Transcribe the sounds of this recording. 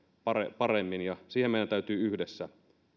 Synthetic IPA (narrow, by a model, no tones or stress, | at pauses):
pɑrḛpɑremːinjɑsiːhemeidænt̪æˑyt̪yːyhdesːæ